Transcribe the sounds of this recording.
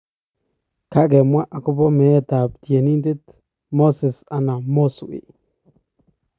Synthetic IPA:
ka˦ke˨mwa˦ʔa˨ku˦bo˦me˨˦t̪a˨p̚t̪je˨ni˦nde˦t̪ | mo˦se˨sa˨na˨mo˦su˨ʔḭ˨

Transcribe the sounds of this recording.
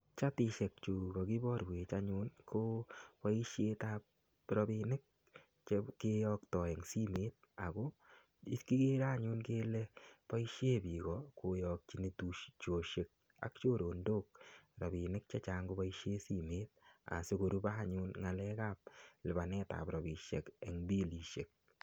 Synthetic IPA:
t͡ʃa˦tɪ˦˧ʃe˨k̚t͡ʃu˨ɡɔ˨ki˦bɔ˦ɾwe˨t͡ʃa˦ɲʊ˦nkʰo˦pa˦i˦ʃje˦ta˦p̚ | ɾɔ˦bi˧nɪ˦k̚ | t͡ʃeke˦jɔk̚tɔ˨ɛ˨ŋsi˦meː˦t̚ | a˨ko˦ | i˦tki˦ɡe˦ɾa˦˨ɲʊ˦nke˦lɛ˦pa˦i˦ʃje˦bi˨kɔko˨jɔ˧k̚t͡ʃi˦ne˨tu˦ʃt͡ʃo˨ʃe˨k̚ | a̰˨k̚t͡ʃo˦ɾo˨ndo˦k̚ɾɔ˨bi˨nɪ˦k̚t͡ʃa˦t͡ʃa˦ŋɡo˦pa˦i˦ʃe˦si˦me˦t̚a̰˨se˦ko˨ɾu˦ba˦˨ɲʊ˦nŋa˨lɛ˦ka˦p̚lɪ˨ba˨nɛ˦ta̰˨pɾɔ˨bi˨ʃḛ˨kɛ˨ŋbi˦li˨ʃe˨k̚

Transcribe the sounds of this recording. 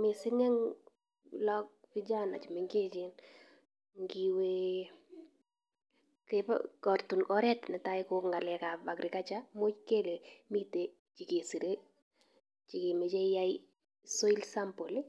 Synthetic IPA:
mɪ˨sɪ˦ŋɛ˦ŋ | lɔ˦k̚pɪ˦d͡ʒa˦na̰˨t͡ʃi˨mɪ˨ŋke˦t͡ʃɪ˦n | ŋɡiwe˦ | kɛpa̰kɔ˨ɾtu˨nɔ˦ɾɛ˦tnɛ˨ta˦ɪkʊ˦kŋɡa˨lɛ˨ka˨pa˨kɾɪ˨ka˦t͡ʃa˦mo˦t͡ʃke˦le˨mi˦te˨ | t͡ʃi˨ke˨si˨ɾe˦ | t͡ʃi˨ke˨me˨t͡ʃe˦ja˦i | sɔ˦i˦lsa˦mpo˨li˦

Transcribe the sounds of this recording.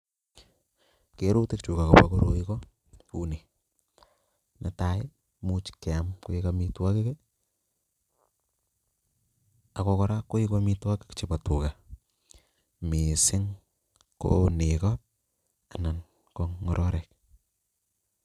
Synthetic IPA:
ke˦ɾu˦tɪ˦k̚t͡ʃu˨ka˨ko˨pa˨ko˦ɾo˨ikɔ˦ | u˦ne˨ | nʔa˨taɪ | mu˦t͡ʃke˨a˨mko˦i˦ka˧mi˦twa˦kɪ˦ke˦ | a˨kɔ˧kɔɾa˦kːo˦ikwa˦mi˦twa˦kɪ̥˦kt͡ʃipa˨tu˨ka˨ | mi˨sɪ˦ŋ | ko̰ne˨kɔ | a˨na˨n | koŋŋɔɾʔɔ˦ɾɛk̚

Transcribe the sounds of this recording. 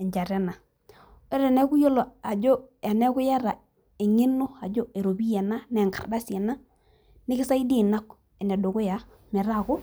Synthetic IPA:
ɛ˨ɲd͡ʒa˨ɾɛ˦na˨ | ɛ˦ɾɛ˨nɛ˦kʊ˦jo˦lo˨a˨d͡ʒo˦a˨nɛ˦kʊ˦ja˦ɾa˨ | e˨ŋe˦no˦a˨d͡ʒo˦e˨ɾo˨bi˦je˨na˦nɛ˨ŋka̰˨rda˦se˨na˦ | nɪ˦kɪ˦sa˦i˦di˦na˦k | e˨nɛ˨do˨kʊ˦ja˨ | mɛ˨ɾa˦˨kʊ˦

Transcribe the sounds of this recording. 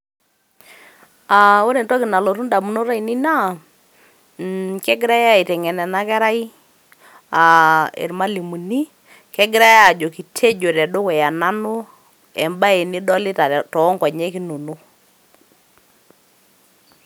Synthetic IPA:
a˨o˦ɾe˨ntɔ˦kɪ˨na˨lo˨ɾu˦nda˨mu˨no˦ɾa˦i˨ni˦na˦˨ | kɛ˦ɡɪ˦ɾa˦ja˦˨i˨tɛ˨ŋɛ˨nɛ˨na˦kɛ˦ɾa˦i˦ | a˨ḛ˨ɾma˦li˨mu˨ni˦ | kɛ˦ɡɪ˦ɾa˦ja˨d͡ʒo˨ki˨tʰe˦d͡ʒo˨ɾɛ˨do˦kɛ˨ja˨na˦nu˦ | ɛ̰˨mba˦e˨ni˦dɔ˦lɪ˦ta˨tɔ˨˦ŋkɔ˨ɲɛ˦ki˦nu˨nu˦

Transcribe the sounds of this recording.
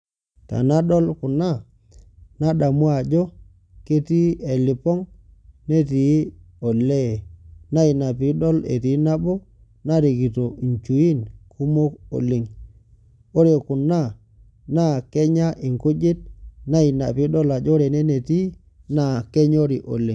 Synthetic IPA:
ta̰˨na˦ɗɔ˦lkʊ˨na˦˨ | na˦ɗa˨mu˦a˨d͡ʒɔ˦ | ke˦ti˦e˨lɪ˨pɔ˦ŋ | ne˦ti˨˦ | ɔ˨le˦˨na˦i˨na˨pi˨˦ɗɔ˦lḛ˨ti˨˦na˦bɔ˦ | na˦ɾi˨ki˨to˨i˨ɲt͡ʃu˨i˦nkʰu˦mo˦ko̰˨li˨ŋ | o˦ɾe˨kʊ˨na˦˨ | na˦˨kɛ˦ɲa˦ʔɪ˨ŋku˦d͡ʒɪ˦t̚na˦i˨na˨pi˦ɗɔ˦la˨d͡ʒɔ˦ɾe˨ne˦ne˨ti˦ | na˦˨ke˦ɲo˦ɾi˨ʔo̰˨li˨ŋ

